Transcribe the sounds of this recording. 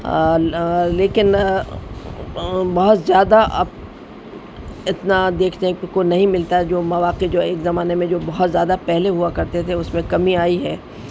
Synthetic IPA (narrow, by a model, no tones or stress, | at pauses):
leːkɪn | bɐɦʊt̪zjaːd̪aʔa̰ːp | ɪt̪nad̪eːkʰnekonɐɦĩmɪlt̪aɦɛd͡ʒoːmɐʋaːqed͡ʒoːeːkzɐmaːnemẽd͡ʒoːbɐɦɔt̪zjaːd̪apɛɦleɦuakɐɾt̪et̪ʰeʊsmẽkɐmiaːiɦɛː